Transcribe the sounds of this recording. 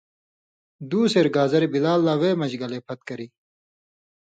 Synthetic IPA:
d̪uːseɾɡaːzɐɾebilaːlːaːweːmɐd͡ʑɡɐleːpʰɐt̪̚kɐɾiː

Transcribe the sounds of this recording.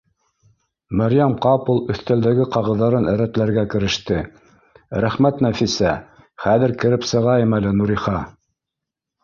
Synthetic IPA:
mæɾjæmqɑpulˠɵ̆θt̪æld̪æɡɘqɑʁɤ̆ðːɑɾɤnæɾæt̪læɾɡækɘ̆ɾɘ̆ʃt̪ɘ | ɾæχmæt̪næfisæ | χæðɘ̆ɾkɘ̆ɾɘpsɤ̆ʁɑjɤmælɘnuɾiχɑ

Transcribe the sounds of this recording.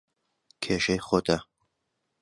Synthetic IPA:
kʰeːʃɐjχoːt̪ʰɐ

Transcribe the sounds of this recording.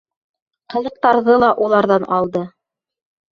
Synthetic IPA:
qɤ̆lˠɤ̆q̚t̪ɑɾðɤlˠɑʔulˠɑɾðɑnɑlˠd̪ɤ

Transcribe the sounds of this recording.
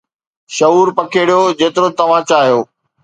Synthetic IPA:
ʃɐuːɾpɐkʰeːɽijod͡ʑeːt̪ɪɾot̪ɐʋ̤ãt͡ɕaːɦijoː

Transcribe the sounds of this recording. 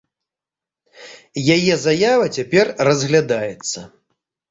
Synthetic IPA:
jajɛzajavɐt͡sʲapʲɛrrɐzɣlʲad̪ajɛt̪sːɐ

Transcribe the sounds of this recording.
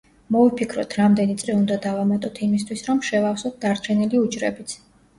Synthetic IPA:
mɔvipʰikʰɾɔt̪ʰɾamd̪ɛnit̪sʼɾiund̪ad̪avamat̪ʼɔt̪ʰimist̪ʰwisɾɔmʃɛvafsɔt̪̚d̪aɾt͡ʃʰɛniliud͡ʒɾɛbit̪sʰ

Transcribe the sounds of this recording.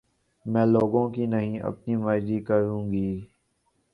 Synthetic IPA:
mɛ̃ːloːɡõːkinəɦĩʔɐ̰pnimaːd͡ʒɾikəɾũːɡiː

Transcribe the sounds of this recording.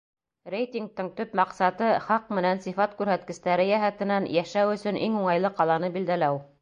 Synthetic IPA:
rʲejt̪ʲiŋɡ̚t̪ɤɴt̪ɵpmɑqsɑt̪ɤχɑq̚mɘ̆nænsifɑt̪kʉɾɦæt̪̚kɘ̆st̪æɾɘjæɦæt̪ɘ̆nænjæʃæwɵ̆sɵ̆nʔiŋuɴɑjlˠɤqɑlˠɑnɤbild̪ælæw

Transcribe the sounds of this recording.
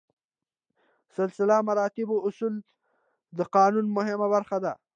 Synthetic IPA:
sɪlsɪlamaɾɑt̪ɪboʊsul | d̪əqɑnunmʊɦɪmabaɾxad̪a

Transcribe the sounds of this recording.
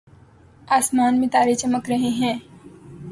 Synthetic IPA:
aːsmaːnmẽt̪aːɾet͡ʃɐməkɾɐɦeɦɛ̃ː

